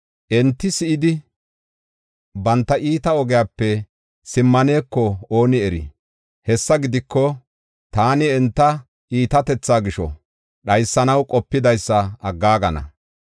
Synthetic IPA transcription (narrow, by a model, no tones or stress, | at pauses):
ʔɛnt̪ːɪsɪʔɪd̪ɪ | bɐnt̪ːɐʔiːt̪ɐɔɡɛjaːpːɛ | sɪmːɐne̞ːkːɔoːnɪɛɾɪ̰ | hɛsːɐɡɪd̪ɪkːɔ | t̪aːnɪɛnt̪ːɐ | ʔiːt̪ɐt̪ɛt͡sːaːɡɪʃɔ̰ | ɗɐjsːɐnɐwkʼɔpːɪd̪ɐjsːɐɐɡːaːɡɐnɐ̰